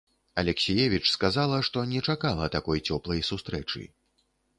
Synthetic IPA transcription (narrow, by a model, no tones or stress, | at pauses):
ɐlʲɛksʲijɛvʲit͡ʂskazalˠɐʂt̪ɔnʲɛt͡ʂakalˠɐt̪akɔjt͡sʲɔplˠɐjsust̪ɾɛt͡ʂɨ̰